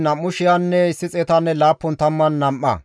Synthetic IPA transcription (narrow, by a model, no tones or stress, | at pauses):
nɐmːʊʃɪjɐnːɛɪsːɪt͡sʼɛt̪ɐnːɛlaːpːɔnt̪ɐmːɐnːɐmʔɐ̰